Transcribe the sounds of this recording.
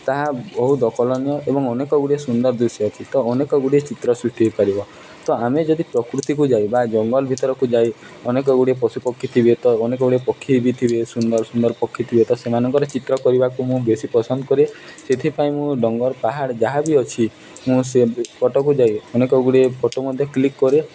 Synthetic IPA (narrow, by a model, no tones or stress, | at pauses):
t̪aɦabɔɦud̪ɔkɔlɔnjɔʔebɔŋɔnekɔɡuɽiesund̪ɔɾd̪usɔt͡ʃʰit̪ɔːnekɔɡuɽet͡ʃit̪ɾɔsɾuʂʈibipaɾibɔ | t̪ɔamed͡ʒɔd̪ipɾɔkɾut̪ik̬ud͡ʒajbad͡ʒɔŋɡɔlbʱit̪ɔɾɔkud͡ʒaj | ɔnek̬ɔɡuɽepɔsupɔkʰːit̪ʰibet̪ɔːnekɔɡuɽepɔkʰːibit̪ʰibesund̪ɔɾsund̪ɔɾpɔkʰːit̪ʰibet̪ɔsemanɔŋkɔɾet͡ʃit̪ɾɔkɔɾibakumũbesipɔsɔnd̪ɔkɔɾeset̪ʰipaĩmũɖɔŋɡɔɾpaɦaɽd͡ʒaɦabiɔt͡ʃʰi | mũsepɔʈɔk̬ud͡ʒajɔnekɔɡuɽiepʰɔʈɔmɔd̪ʱjɔklikːɔɾe